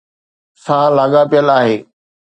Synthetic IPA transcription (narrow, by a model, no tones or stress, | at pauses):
sãːlaːɠapijəlaːɦeː